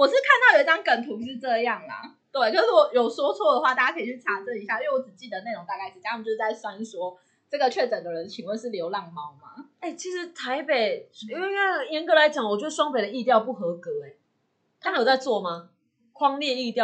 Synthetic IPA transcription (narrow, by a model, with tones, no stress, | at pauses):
wɔ˨˩ʂɻ̩˥˧kʰa˥˧nt̪ɑ˥˩ʊjo˨˧i˥˩ɑ˥ŋkə˨˩nt̪ʰu˧˥ʂ̬ɻ̩˥˧ʈ͡ʂɤ˥˧jɑ˥˩ŋlɐ̰˩ | t̪we˥˩ɪkʰə˧˦ʂ̩˥˩wɔ˨˩jo˨˩ʊswɔ˥t͡sʰwɔ˥˩d̪ə˩xwa˥˧t̪a˥˩t͡ɕa˥kʰə˧˥i˨˩t͡ɕʰy˥˩a˨˥t͡sə˥˦i˧˥ɕja˥˧i˥˧˥wɔ˧˦t͡sɹ̩˨˩t͡ɕi˥˩d̪ə˩ne˥˩ɪɻo˧˥ŋt̪a˥˧kʰa˥˩ɪ˨˩˥a˥˧˨jʂ̩˥t͡sa˥˩ɪswa˥˧ni˥˩swɔ˦ | ʈ͡ʂɤ˥˩ɡə˨˩t͡ɕʰɥɛ˥˩ʈ͡ʂə˨˩d̪ə˨˦ɻə˨˦nt͡ɕʰi˨˩ŋwe˥˧ʂɻ̩˥˩ljo˧˥ʊlɑ˥˧˩ŋmɑ˧˥ʊma˨e˥˩t͡ɕʰi˧˥ʂɻ̩˧˦˥t̪ʰa˧˦ɪpe˨˩ɪ˥e˥˧e˥˩jɛ˧˥nkɤ˧˥la˨˦ɪt͡ɕjɑ˨˦ŋwɔ˨˩t͡ɕjo˥˧˩ʂ̩˥˩ʂwɑ˥ŋpe˨˩ɪd̪ə˩i˥˧t̪jɑ˥˧ʊpu˥˩xɤ˧˥kɤ˧˦e˨˩ | t̪ʰa˥mə˨˩jo˨˩t͡sa˥˧ɪt͡swɔ˥˩ma˩ | kʰwɑ˥ŋljɛ˥˧i˥˧t̪jɑ˥˨˩